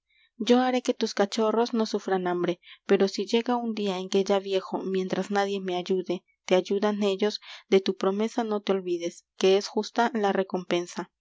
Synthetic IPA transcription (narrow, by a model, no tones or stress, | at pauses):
d͡ʒo̞aɾe̞ke̞t̪uskat͡ʃo̞ro̞sno̞sufɾanambɾe̞pe̞ɾo̞siʝe̞ɣaund̪iaeŋke̞ʝaβje̞xo̞mjẽ̞nt̪ɾaznaðje̞me̞aʝuðe̞ | t̪e̞aʝuðane̞ʝo̞zd̪e̞t̪upɾo̞me̞sano̞t̪eo̞lβiðe̞ske̞esxust̪alare̞ko̞mpe̞nsa